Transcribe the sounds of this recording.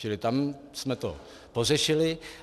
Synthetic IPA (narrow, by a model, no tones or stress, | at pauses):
t͡ʃɪlɪt̪am | smɛt̪o̰ | po̞rɛʃɪlɪ